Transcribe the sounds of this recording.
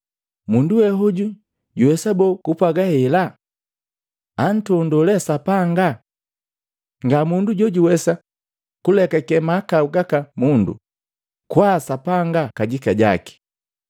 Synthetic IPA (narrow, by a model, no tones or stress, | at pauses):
munduwɛɦɔɟu | ɟuwɛsabɔkupaɡahɛla | an̩tɔndɔlɛsapaŋɡa | ŋɡamunduɟɔɟuwɛsa | kulɛkakɛmakauɡakamundṵ | kwasapaŋɡakaɟikaɟa̰ki̥